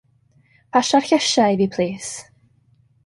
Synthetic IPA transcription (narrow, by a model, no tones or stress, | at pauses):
pʰaʃarçəʃajvipʰl̥ˠiːs